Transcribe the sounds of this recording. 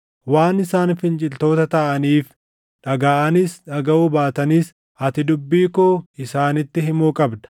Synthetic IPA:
waːnɪsaːnfɪnt͡ʃʼɪlt̪o̞ːt̪ɐt̪ɐʔɐniːf | ᶑɐɡaːʔɐnɪsᶑɐɡɐʔuːbaːt̪ɐniːs | ɐt̪ɪd̪ʊbːiːkɔɪsaːnɪt̪ːɪɦɪmuːkʼɐbd̪ɐ̥

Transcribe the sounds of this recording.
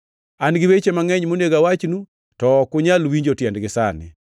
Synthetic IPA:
anɡɪwet͡ʃemaŋɛɲmoneɡawat͡ʃnu | tɔkʊɲalwiɲd͡ʒotjɛndɡɪsa̰nɪ̰

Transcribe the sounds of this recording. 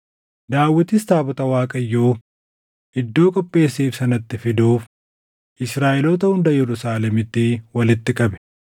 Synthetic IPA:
d̪aːwːɪt̪ɪst̪aːbɔt̪ɐwaːkʼɐjːoː | ɪd̪ːo̞ːkʼɔpʼːe̞ːsːiːfsɐnɐt̪ːɪfɪd̪uːf | ʔɪsɾaːʔɪlot̪ɐhʊnd̪ɐjɛɾʊsaːlɛmɪt̪ːɪwɐlɪt̪ːɪkʼɐbɛ̥

